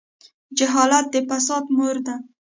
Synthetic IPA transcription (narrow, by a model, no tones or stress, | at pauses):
d͡ʒaɦɑlat̪̚d̪epasɑt̪moɾd̪a